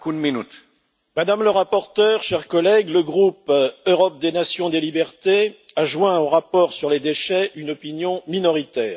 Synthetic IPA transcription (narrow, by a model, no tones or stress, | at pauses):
kud̪minyt̪ | mad̪amləʁapɔʁt̪œːʁʃɛʁkɔlɛɡləɡʁupøʁɔp̚d̪enasjɔ̃d̪elibɛʁt̪eaʒwɛ̃oʁapɔʁsyʁled̪eʃɛynɔpinjɔ̃minɔʁit̪ɛːʁ